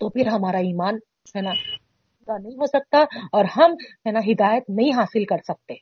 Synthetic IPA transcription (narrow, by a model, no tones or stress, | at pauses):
t̪opɪɾɦɐmaːɾaiːmaːn | ɛna | ɡanɐɦĩɦosɐk̚t̪aɔːɾɦɐmɛnaɦɪd̪aːjət̪nɐɦĩɦaːsɪlkɐɾsɐk̚t̪e